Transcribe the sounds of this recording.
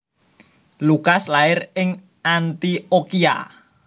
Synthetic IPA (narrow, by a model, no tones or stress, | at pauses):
lukaslaɪrɪŋ | ant̪iokia̰